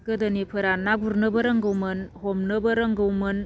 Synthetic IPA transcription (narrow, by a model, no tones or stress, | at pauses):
kɯdɯnipʰɯɾanaɡuɾnɯbɐɾɯŋɡɯwmɯnhɔmnɯbɐɾɐŋɡɯwmɯn